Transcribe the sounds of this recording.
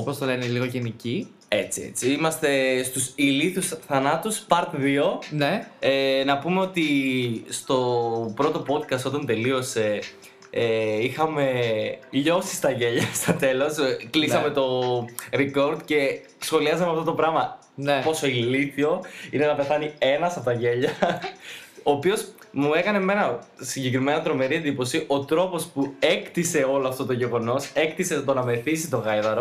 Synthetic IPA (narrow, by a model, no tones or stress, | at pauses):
opost̪oleneliɣoʝenici | e̞t͡siḛt͡siimɐst̪e̞st̪usiliθusθɐnɐt̪uspɐɾt̪ðio̞neenɐpume̞o̞t̪ist̪o̞pɾo̞t̪o̞po̞d̪̚kɐst̪o̞t̪ɐnt̪e̞lio̞se̞ | ixɐme̞ʎo̞si̥st̪ɐʝeʎɐst̪ɐt̪e̞lo̞sklisɐme̞t̪o̞ɾiko̞ɾd̪ce̞ | sxo̞liɐzɐmeɐft̪o̞t̪o̞pɾɐmɐ | npo̞so̞iliθio̞ine̞nɐpe̞θɐnie̞nɐsɐpot̪ɐʝe̞ʎɐ | oːpio̞s | mue̞kɐne̞me̞nɐ | siɲɟe̞kɾime̞nɐt̪ɾo̞me̞ɾie̞nd̪ipo̞siʔo̞t̪ɾo̞po̞spue̞kt̪ise̞o̞loɐft̪o̞t̪oʝe̞ɣo̞no̞se̞kt̪iset̪onɐme̞θisit̪o̞ɣɐjðɐɾo